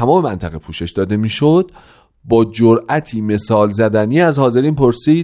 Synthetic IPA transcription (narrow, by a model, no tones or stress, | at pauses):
æmɒːme̞mænt̪ʰæɣepʰuːʃe̞ʃd̪ɒːd̪e̞miːʃod̪̚ | bɒːd͡ʒoɾʔæt̪ʰiːme̞sɒːlzæd̪æniːæzhɒːze̞ɾiːnpʰoɾsiːd̪